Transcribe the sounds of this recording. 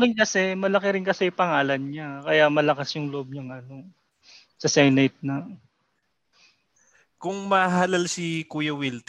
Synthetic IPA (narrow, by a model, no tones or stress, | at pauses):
ɾɪnkɐsɛmɐlɐkɛɾɪnkɐsɛjʊpɐŋaːlɐnɲakɐjaʔmɐlɐkɐsjʊŋloʔob̚ɲɐŋʔɐno̞ | sɐsɛjnɐjt̪̚nɐ | kʊŋmɐɦaːlɐlsikuːjɐwilt̪